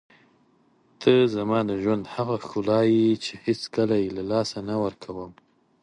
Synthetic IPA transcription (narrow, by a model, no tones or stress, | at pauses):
t̪əzamɑd̪əʒwand̪haɣaxʊlɑjit͡ʃehet͡skəlajelalɑsanawəɾkʰawəm